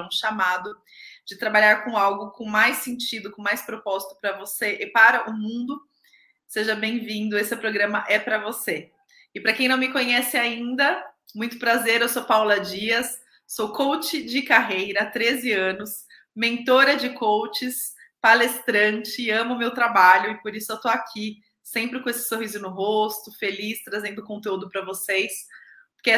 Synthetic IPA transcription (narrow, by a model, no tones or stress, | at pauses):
ũʃamad̪ʊ | d͡ʒɪt̪ɾabaʎaɾkõawɡʊkõmajsẽnt͡ʃid̪ʊkõmajspɾopɔzit̪ʊ̥pɾɐvoseʔɪpaɾɐʔʊmũnd̪ʊ | seʒɐbẽj̃vĩnd̪ʊesɪpɾoɡɾɐ̃mɐʔɛpɾɐvose | ɪpɾɐkẽj̃nɐ̃w̃mɪkõɲɛsɪaĩnd̪ɐmũj̃t̪ʊ̥pɾazeɾewsowpawlɐd͡ʒiɐsː | owkʰowt͡ʃɪd͡ʒɪkaɦejɾɐt̪ɾezɪɐ̃nʊs | mẽnt̪oɾɐd͡ʒɪkʰowt͡ʃɪs | palest̪ɾɐ̃t͡ʃɪːɐ̃mʊmewt̪ɾabaʎʊɪpoɾisʊewt̪oakʲʰi | sẽmpɾɪkõesɪ̥soɦizʊnʊɦost̪ʊfelist̪ɾazẽnd̪ʊkõnt̪eud̪ʊpɾɐvosejspoɾke